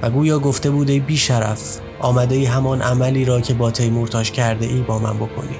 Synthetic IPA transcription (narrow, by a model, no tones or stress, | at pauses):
væɡuːjɒːɡo̞ft̪e̞buːd̪ebiːʃæɾæ̰f | ʔɒːmæd̪eiːɦæmɒːnʔæmæliːɾɒːcʰe̞bɒːt̪ʰejmoɾt̪ʰɒːʃcʰæɾd̪e̞̰ʔiːbɒːmæ̰nbo̞kʰo̞̰niː